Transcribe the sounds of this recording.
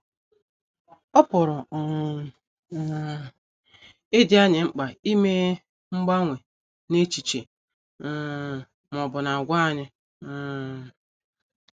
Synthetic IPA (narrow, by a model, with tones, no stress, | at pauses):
ɔ˦pʊ˨ɾʊ˨ | e˦di˦a˦ɲɪ˨ŋ͡m̩˦k͡pa˨i˦me˦ | ŋ͡m̩˦ɡ͡ba˦ŋʷe˨ | ne˦t͡ʃi˨t͡ʃe˨˦˨ | mɔ˨bʊ˨na˨ɡʷa˦a˦˨ɲɪ˦˨